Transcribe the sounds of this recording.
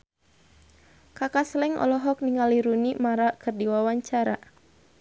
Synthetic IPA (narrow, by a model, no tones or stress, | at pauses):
kakaslɛŋʔɔ̰lɔɦɔk̚niŋaliɾunimaɾakɨrdiwawaɲt͡ʃaɾa̰